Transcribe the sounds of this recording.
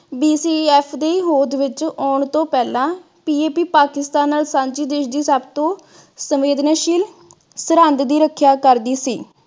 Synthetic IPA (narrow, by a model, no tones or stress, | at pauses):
biːsiːɛːpʰd̪eːɦoːd̪ʋɪt͡ʃɔːɳt̪õːpɛːlãː | piːeːpiːpaːkɪst̪aːnːaːlsãːɲd͡ʒiːd̪eːʃd̪iːsaːbt̪õː | səmeːd̪naːʃiːl | səɾə̃nd̪d̪iːɾəkʰːjaːkəɾd̪iːsiː